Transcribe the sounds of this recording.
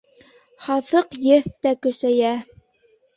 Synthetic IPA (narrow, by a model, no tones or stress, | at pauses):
χɑθɤqjɘθt̪ækɵ̆sæjæ